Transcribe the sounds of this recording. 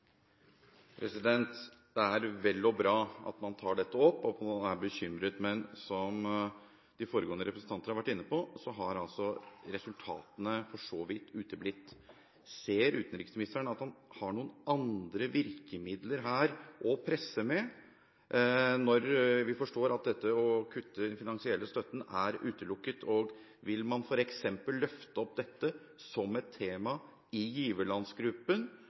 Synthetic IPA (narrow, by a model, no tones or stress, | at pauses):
pʰɾɛsɪd̪ɛnt̪d̪̥ɛæɾʋɛlːɔbɾɑːɑ̰t̪mɑnt̪ʰɑːɖɛt̪ːəɔpːɔpʰɔæɾbəçʏmɾət̪mɛnsɔm | d̪̥ɪfoːɾəɡoːnəɾɛpɾəsn̩t̪ɑnt̪ənəɑɾʋæʈːɪnːəpʰɔsɔɦɑɾɑlsɔɾɛsʉlt̪ʰɑ̰ːt̪ənəfɔʂoːʋɪt̪ːʉːt̪əblɪt̪ː | seːɾʉ̰ːt̪ənɾɪksmɪnɪst̪æɳəɑt̪hɑnhɑɳuːənɑnd̪ɾəʋɪɾkəmɪd̪ləɾɦæːɾʔɔpʰɾɛsːəmɛ | nɔɾʋɪfɔʂʈoːɾɑt̪̚d̪ɛt̪ːəɔkʰʉt̪ʰːəd̪ɛnfɪnɑnsɪɛlːəst̪œt̪ːən̩æɾʉːt̪əlʊkːət̪ʰɔːɡ | ʋɪlmɑnfɔɾɛksɛmpəlːœft̪əɔp̚d̪ɛt̪ːə | sɔmɛt̪ʰːeːmɑ | ɪjiːʋəlɑnsɡɾʉpːən